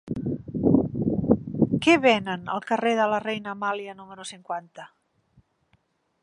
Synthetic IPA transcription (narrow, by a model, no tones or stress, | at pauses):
keβɛnənə̰lˠkəreðələrɛjnəmaljiənuməɾusiŋkwant̪ə